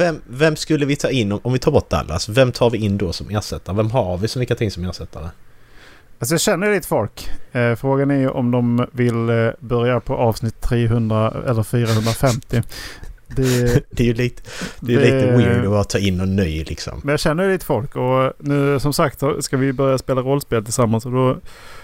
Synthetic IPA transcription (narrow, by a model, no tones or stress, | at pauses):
vɛmvɛmːskɵlːəvɪt̪ʰɑːɪnːɔmɔmvɪt̪ʰɑːɾbɔʈ̪̚ːa̰lːa̰sɔvɛmt̪ʰɑːɾvɪɪnːd̪ɔsɔmeːʂɛt̪ːaɾəvɛmɦaɾvɪsɔvikːat̪ʰɪŋsɔmeːɾʂɛt̪ʰːaɾə | asɔjɑːɕɛnːəjliːt̪ə̥fɔlkfɾoːɡanæɾjɵʔɔmd̪ɔmvɪlbœɾjapʰɔʔɑːvsnɪt̪ʰːɾeːɦɵnd̪ɾaɛ̰lːəɾfyːɾahɵnd̪ɾafɛmt̪ɪ | d̪ɛd̪̥ɛjliːt̪d̪ɛjɛliːt̪əwɪmɪvɪbɑɾat̪ʰɑːɪnːɔnːœjlɪksɔ̰mmɛnjaɕɛnːəɾjəliːt̪ə̥fɔlkɔnʉ̟ːsɔmsakt̪ɑskavɪbœɾjaspeːlaɾɔlːspeːlt̪ʰɪlsamːansɔd̪ɔ